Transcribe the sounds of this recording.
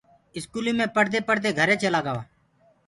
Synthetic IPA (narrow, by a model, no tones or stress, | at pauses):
ɪskuːlĩːmẽːpəɽd̪eːpəɽd̪eːɡʱəɾeːt͡ʃʰəlaːɡəʋaː